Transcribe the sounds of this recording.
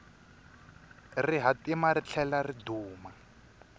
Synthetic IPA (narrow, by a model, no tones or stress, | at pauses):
riɦatimarit͡ɬʰɛlariduːma